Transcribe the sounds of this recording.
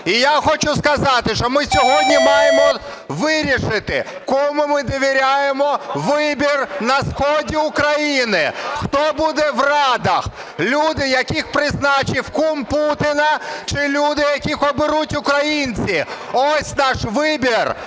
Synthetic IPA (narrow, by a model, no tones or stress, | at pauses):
ijaxɔt͡ʃʊskɐzɑt̪ɪʃt͡ʃɔmɪsʲɔɦɔdʲnʲimɑjemɔ | ʋɪɾʲiʃɪt̪ɪ̰kɔmʊmɪd̪ɔʋʲiɾʲajemɔʋɪbʲirnɐsxɔdʲiʊkɾɐjinɪxt̪ɔbud̪ɛʋrɑd̪ɐx | lʲud̪ɪjɐkʲixpɾɪznɑt͡ʃiwkumput̪ɪnɐt͡ʃɪlʲud̪ɪjɐkʲixɔbɪɾutʲʊkɾɐjinʲt͡sʲi | ɔsʲnɑʃʋɪbʲir